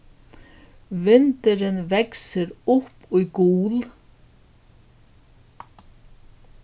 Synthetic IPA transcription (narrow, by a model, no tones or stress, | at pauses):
vɪnt̪ɪɾɪnvɛksɪɾʊhpujkuːl